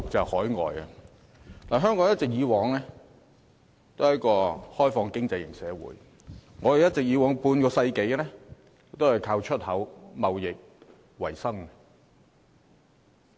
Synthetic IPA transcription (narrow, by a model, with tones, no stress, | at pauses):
t͡sɐ˨hɔː˨˥jŋɔ̰ː˨jɐ̰˧ | t̪aː˨˩ɦœː˥ŋkɔ˨˥ŋjɐ˥t̚t͡sɪ˨k̚jiː˨˧wɔː˨˥ŋlɛː˥ | t̪o˥˨jɐ˥kɔː˧hɔː˥jfɔː˧ŋkɪ˥ŋt͡sɐ˧jɪ˨˩ŋsɛː˨˥wṵː˨˥j | ŋɔː˨˧d̪e˨˩jɐ˥t̚t͡sɪ˨k̚jiː˨˧wɔː˨˥ŋpuː˧nkɔː˧sɐ˧jke˨˥jlɛ˥˨ | t̪o˥whɐ˨jkʰaː˧wt͡ʃʰɵ˥t̚hɐ˨˥wmɐ˨wjɪ˨k̚ | wɐ˨˩jsɐ˥ŋɐ˧